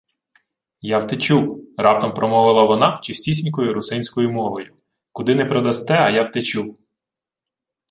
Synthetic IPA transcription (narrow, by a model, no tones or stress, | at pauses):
jɑwt̪et͡ʃukɾɑp̚t̪ɐmpɾɔmɔʋɪlˠɐʋɔnɑt͡ʃɪsʲtʲisʲnʲkɔjʊɾʊsɪnʲsʲkɔjʊmɔɦɔjʊ | kʊd̪ɪnɛpɾɔd̪ɐst̪ɛɐjawt̪et͡ʃuk